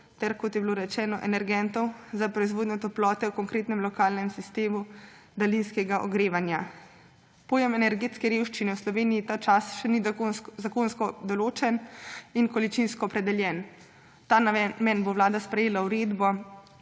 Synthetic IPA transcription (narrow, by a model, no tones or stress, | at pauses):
t̪ɛɾkɔt̪jɛbloɾɛt͡ʃɛːnɔʔɛnɛɾɡɛnt̪ɔwzapɾɔizʋoːd̪nɲɔt̪ɔplɔːt̪ɛwkɔŋkɾeːt̪nɛmlɔkaːlnɛmsist̪eːmud̪alinskɛɡaʔɔ̰ɡɾeːʋanja | poːjɛmɛnɛɾɡeːt̪skɛɾewʃt͡ʃinɛwslɔʋeːnijit̪aːt͡ʃasʃɛnizakonskɔd̪ɔloːt͡ʃɛninkɔlit͡ʃinskɔːpɾɛd̪ɛljɛːn | t̪aːmɛnboʋlaːd̪aspɾɛjeːlauɾeːd̪bɔ